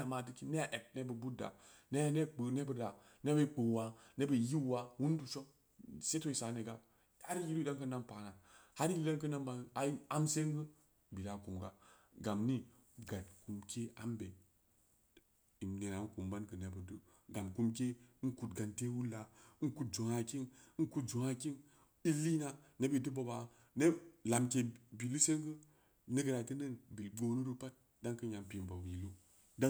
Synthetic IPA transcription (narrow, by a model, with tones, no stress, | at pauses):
a˨ma˨t̬i˦ki˦ne˦ja˨ʔe˨b̚ne˦bə˨bu˦da̰˨ne˦a˦ne˦k͡pə˨ne˦bə˨da˨ | ne˦bə˦k͡pə˨wa˨ne˦bə˨ji˦˨wa˨wu˦n˦du˨t͡ʃo˦ | se˦to˦i˨sa˨˦ne˨ɡa˦ | ha˦ɾi˦ji˦li˦da˦ŋkə˦na˦mpa˨na˨ha˦ɾi˦da˦nkə˦na˦mba˨a˨i˦a˦mse˦ŋɡə˦ | bi˨la˨ku˨mɡa˦ | ɡa˨mni˦ | ɡa˨tku˨mke˦a̰˦mbe˨ | i˨mne˨na˨˦ŋ˦ku˨mba˦nkɨ˨ne˨bə˨du˦ | ɡa˨mku˧˦mk̬e˦n̩˦ku˦tɡa˨nte˦wu˦la˨˦n̩˦ku˦t̚d͡ʒo˨ŋa˨ki˦ŋ̩˦ku˦td͡ʒo˨ŋa˧ki˦ŋ | i˦li˦na˨ne˦bi˨tɨ˦bo˨ba˨˦ | ne˦la˨mke˧bi˨lu˦se˦ŋɡɨ˦ | ne˦ɡə˨ɾa˨tɨ˦nə˦˨nbi˨lɡ͡bo˧nu˦ɾu˦pa˦t̚ | da˦ŋkɨ˦ɲa˨mpi˨m˨ba˨wi˨lo˦ | da˦